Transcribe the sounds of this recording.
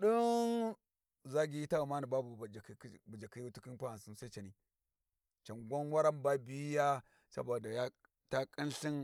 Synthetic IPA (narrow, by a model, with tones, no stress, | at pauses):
ɗu˦n | za˦ɡi˦i˦ta˦u˨ma˦ni˨ba˦bu˨d͡ʒa˨ki˨˦bu˨d͡ʒa˨ki˦ju˦tu˦ki˦npa˦a˨si˦nsa˦i˦t͡ʃa˨ni˨ | t͡ʃa˨nɡʷa˦nwa˦ɾa˦mba˦bi˨˦ja˦ | sa̰˦bo˨da˨ja˦ | ta˦kʼi˦nɬi˦n